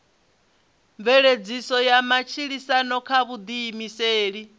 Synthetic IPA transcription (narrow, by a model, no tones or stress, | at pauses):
mvɛɺed͡zisɔjamat͡ʃʰiɺisanɔkʰaβud̪iːmiseːɺi